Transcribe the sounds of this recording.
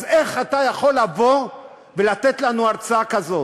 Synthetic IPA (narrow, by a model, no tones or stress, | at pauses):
zeχat̪ajaχo̞lːavo̞ | velat̪et̪lanuaʁt͡saakazo̞